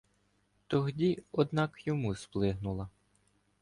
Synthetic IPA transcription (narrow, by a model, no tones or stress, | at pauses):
t̪ɔɦdʲiɔd̪nɑkjɔmusplˠɪɦnʊlˠɐ